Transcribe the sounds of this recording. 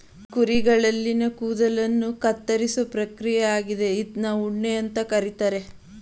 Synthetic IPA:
kuɾiɡɐɭɐlːinɐkuːd̪ɐlɐnːukɐt̪ːɐɾisʋɐpɾɐkɾijɛaːɡid̪e̞id̪nɐuɳːeɐnt̪ɐkɐɾit̪ɐːɾe̞

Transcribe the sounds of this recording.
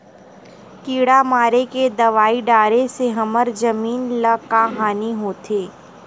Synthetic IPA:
kiːɽamaːɾeked̪ɐʋaːiɖaːɾeseɦɐməɾd͡ʒɐmiːnlɐkaːɦaːniɦoːt̪ʰeː

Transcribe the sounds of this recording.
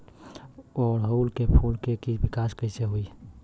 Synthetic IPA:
ɔːɾɦəulkepʰuːlkekibɪkaːskəɪseɦui

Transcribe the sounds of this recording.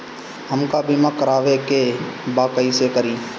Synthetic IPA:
hɐmkabimakəɾaːʋekebaːkəisekəɾiː

